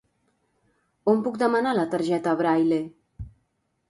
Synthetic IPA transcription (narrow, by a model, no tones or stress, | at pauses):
ompuk̚d̪əmənalət̪əɾʒɛt̪əβɾajle